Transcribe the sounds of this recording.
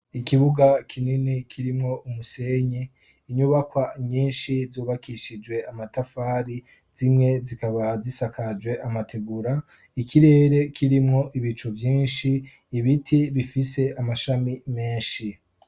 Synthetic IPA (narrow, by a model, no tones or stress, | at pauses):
ikiβuɡakʰininikʰiɾimŋo̞ʔumuse̞ɲeː | ɲuβakwaɲiːnʃizuːβakʰiʃid͡ʒwe̞amatafaːɾi | z̥imŋe̞zikaβazisakʰad͡ʒwe̞ʔamatʰeɡuɾa | ikʰiɾe̞ːɾe̞kʰiɾimŋo̞ʔiβit͡ʃuvjiːnʃiː | βitʰiβifise̞ʔamaʃamime̞ːnʃi